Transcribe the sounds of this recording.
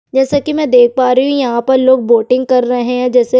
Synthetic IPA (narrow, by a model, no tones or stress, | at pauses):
d͡ʒɛːsakimɛ̃ːd̪eːk̚ʰpaːɾɐɦũjɐɦãpɐɾloːɡ̚boːʈɪ̃ŋɡ̚kɐɾːɐɦeɦɛ̃d͡ʒɛːse